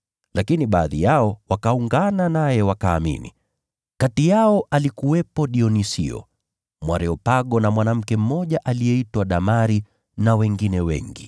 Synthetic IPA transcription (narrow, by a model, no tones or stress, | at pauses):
lakiniɓaːðḭjaɔwakauŋɡananajɛwakaːmḭnḭ | katijaɔʔalikuwɛpɔɗiɔnisḭɔ̰ | mwaɾɛɔpaɠɔnamwanam̩kɛm̩mɔʄaʔalijɛitwaɗamaɾi | nawɛŋɡinɛwɛ̰ŋɡi